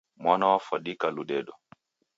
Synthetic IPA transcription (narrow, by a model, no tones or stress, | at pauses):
mwanawafaɗikaluɗɛɗɔ